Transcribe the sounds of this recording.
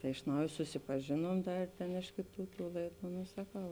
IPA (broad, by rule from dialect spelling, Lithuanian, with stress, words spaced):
tɐɪ ɪʃ ˈnɐʊj sʊsʲɪpɐˈʒʲeːnuɔm ˈdɐr tʲeːn ˈɪʃ kʲeːˌtuː tuː ˈlˠɐɪˌduː noː sɐˈkɐʊ